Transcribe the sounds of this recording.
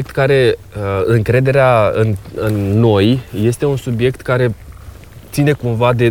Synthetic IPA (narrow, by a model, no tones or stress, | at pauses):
k̚t̪kaɾe̞ɨŋkɾe̞d̪e̞ɾeaɨnɨnːo̞jje̞st̪e̞unsubje̞kt̪kaɾe̞ | t̪sine̞kumvad̪e̞